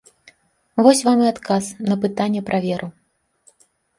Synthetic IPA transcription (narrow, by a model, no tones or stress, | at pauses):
vɔsʲvamɨat̪kasnɐpɨt̪anʲːɛpɾʔavʲɛɾʔu